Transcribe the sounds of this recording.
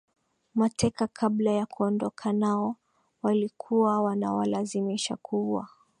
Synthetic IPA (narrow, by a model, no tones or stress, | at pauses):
matɛkakʰablajakuɔndɔkʰanaɔ | walikʰuwawana̰wa̰lazimiʃa̰kʰuwa̰